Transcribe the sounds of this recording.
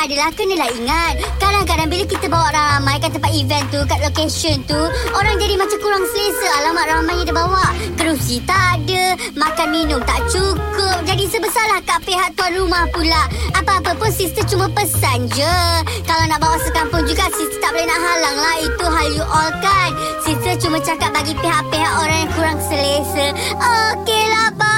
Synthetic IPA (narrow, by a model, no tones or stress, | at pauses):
adəlahkənəlahiŋat̪̚kadaŋk̬adaŋbilakit̪əbawaʔraɾamãjkant̪əmpaivɛnt̪ukat̪̚lokeʃənt̪uoɾaŋd͡ʒadimat͡ʃamkuɾaŋsələsəalamat̪̚ɾamajadabawaʔkəɾusit̪aʔːdə | mãkanminʊŋt̪aʔt͡ʃukʊp̚d͡ʒadisəbəsarlahkaʔpeɦaʔ̚t̪uanrumahpulaapaːpəpʊnsist̪ət͡ʃumãpəsand͡ʒəkalawnaʔbawaʔsəkampʊŋd͡ʒuɡasist̪ət̪aʔpolanaʔɦalaŋlahit̪uɦaljuʔɔlkan | sist̪ət͡ʃumãt͡ʃakat̪̚baɡipeɦaʔpeɦakoɾaŋjaŋkuɾaŋsəlesə | okelapa